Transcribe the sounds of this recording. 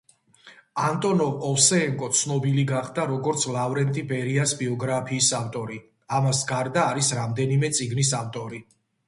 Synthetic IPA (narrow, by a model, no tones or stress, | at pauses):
ant̪ʼɔnɔɔfsɛːŋkʼɔt̪sʰnɔbiliɡaχd̪aɾɔɡɔɾt̪sʰlˠavɾɛnt̪ʼibɛɾiasbiɔɡɾapʰiːsaft̪ʼɔɾi | amasɡaɾd̪aːɾisɾamd̪ɛnimɛt̪sʼiɡnisaft̪ʼɔɾi